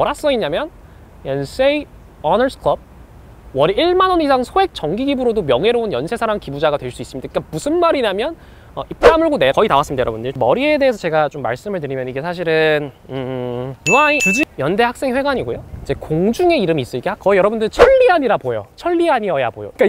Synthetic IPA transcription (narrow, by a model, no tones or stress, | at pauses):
ʌɾas͈ʌiɲamjʌn | ens͈ei | ʌnʌɭsʰkʰɭʌb̚ | wʌɾiiɭmanʌnisʰaŋsʰoe̞k̚t͡ɕʌŋɡiɡibɯɾodomjʌŋe̞ɾounjʌnsʰe̞sʰaɾaŋkibud͡ʑaɡadwe̞ɭs͈uis͈mɲidaikamusʰɯnmaɾiɲamjʌn | ʌip͈ɯɾamɯɭɡonekʌitawas͈ɯmɲidajʌɾʌbundɯɭmʌɾie̞de̞ɦesʰʌt͡ɕe̞ɡat͡ɕomːa̰ɭs͈ɯmɯɭt̬ɯɾimjʌniɡe̞sʰaɕʰiɾɯnɯjuait͡ɕud͡ʑijʌnde̞hak̚s͈e̞ŋɸwe̞ɡaɲiɡojoid͡ʑe̞koŋd͡ʑuŋe̞iɾɯmis͈ʌikeakʌijʌɾʌbundɯɭt͡ɕʰʌɭːiaɲiɾabojo̰t͡ɕʰʌɭːiaɲiʌja̰bojo̰ik͈a